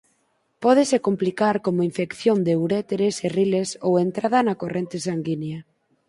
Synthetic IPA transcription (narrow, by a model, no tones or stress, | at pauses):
pɔð̞esekomplikaɾkomoiɱfekθjond̪ewɾɛt̪eɾeserilesowent̪ɾaðɐnakorent̪esaŋɡinja